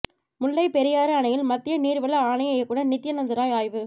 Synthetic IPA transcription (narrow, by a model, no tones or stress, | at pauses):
mʊɭːɐɪpɛɾɪjaːɾɐɐɳɐjɪlmɐt̪ːɪjɐniːɾʋɐɭɐaːnɐjɐjɐkːuːɽɐnɪt̪ːɪjɐnɐnd̪ɪɾaːjaːjʋɯ